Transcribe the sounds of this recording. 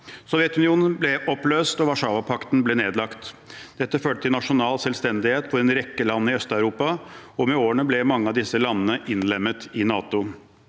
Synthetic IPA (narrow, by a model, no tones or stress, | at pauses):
sɔʋjɛt̪ʉnɪuːnənblɛʔɔpløːst̪ɔʋɑʂɑːʋɑpʰɑkt̪n̩blɛneːd̪lɑkt̪d̪̥ɛt̪ːəføːʈət̪ʰɪlnɑʂʊnɑːlsɛlst̪ɛnd̪ɪheːt̪fɔɾɛnɾɛkːəlɑnːəɪœst̪ɑʉɾuːpɑɔmɛoːəɳəblɛmɑŋːəɑʋd̪ɪsəlɑnːənəʔɪnlɛmːət̪ɪnɑːt̪ʊ